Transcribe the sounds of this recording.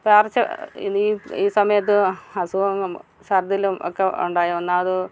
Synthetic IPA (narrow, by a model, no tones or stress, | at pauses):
paːrt͡ɕːɐḭniːiːsɐmɐjɐt̪̬ːɨɐsuɐŋɐm | sɐrd̪ilumo̰kːeṵɳɖaːjionːaɐðɨ